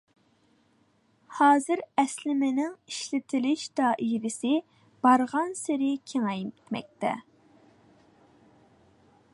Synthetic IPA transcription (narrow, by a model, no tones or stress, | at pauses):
hɑːzɨɾɛslɪmɪnɪŋiʃlɪt̪ʰɪlɪʃd̪̥ɑʔiɾɪsɪ | b̥ɑɾʁɑnsɪɾɪkʲʰeŋɛjt̪mɛ̰k̚ʲt̪ɛ̰